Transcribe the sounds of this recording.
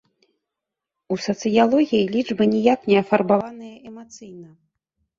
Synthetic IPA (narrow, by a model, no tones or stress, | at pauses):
usɐt̪sɨjalˠɔɣʲijilʲiʐbɨnʲɛjaknʲɛɐfarbavanɨjɐʔɛmat̪sɨjnɐ